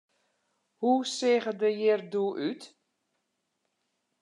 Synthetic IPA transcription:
husɪːɣədəjɪrduʔyt

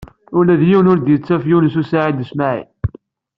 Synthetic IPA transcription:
ʊɾlæðjiwənʊɾd̪jət͡sːæfjunəsusaʕid̪əsmaʕḭ

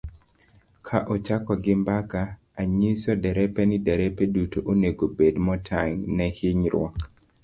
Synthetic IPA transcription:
kʰaʔɔt͡ʃakɔɡɪmbakaː | ɲisɔdɛɾɛpɛnidɛɾɛpedutoʔoneɡobedmɔtʰaŋnɛhiɲɾwɔk

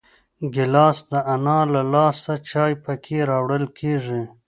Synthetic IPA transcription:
ɡɪlɑːsd̪əʔanɑlalɑːsat͡ʃɑːjpəkʰeɾɑwɽəlkʰeːʐi

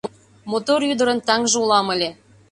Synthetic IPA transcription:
mot̪oryd̪əɾə̆nt̪ɑŋʒeulɑməlʲe

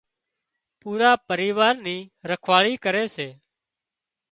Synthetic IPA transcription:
puːɾaːpəɾiːʋaːɾniːɾəkʰʋaːɭiːkəɾeːseː

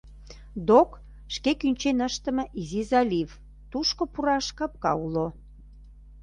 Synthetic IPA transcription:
d̪ok | ʃkekynʲt͡ɕenəʃt̪ə̆mə̆ʔizizɑlʲiv | t̪uʃkopuɾɑʃkɑp̚kɑ̰ulo

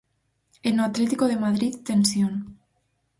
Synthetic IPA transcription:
enoat̪let̪ikoð̞emaðɾit̪ːensjon

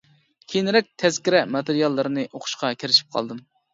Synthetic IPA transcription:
kʲʰenɪɾɛk̚ʲt̪ʰɛzkʲiɾɛmɑt̪eɾijɑlˠːɨɾɨnɨʔoqʰʊ̥ʃqɑkʲʰiɾɪʃi̥p̚qʰɑ̰lˠd̪ɨm

